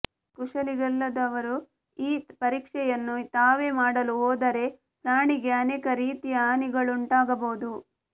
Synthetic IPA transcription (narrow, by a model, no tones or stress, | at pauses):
kuʂɐliɡɐlːɐd̪ɐʋɐɾu | iːpɐɾiːkʂɛjɐnːut̪aːʋe̞maːɽɐluɦoːd̪ɐɾe̞ | pɾaːɳiɡeɐneːkɐɾiːt̪ijɐaːniɡɐɭuɳʈaːɡɐboːd̪u